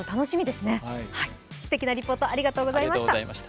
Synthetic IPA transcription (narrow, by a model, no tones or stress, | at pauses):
ot̪ano̞ɕimʲid̪e̞sɨne̞hai | sɨ̥t̪e̞kʲinaɾʲipːo̞ːt̪oaɾʲiɡat̪o̞ːɡo̞zaimait̪aaimaɕt̪a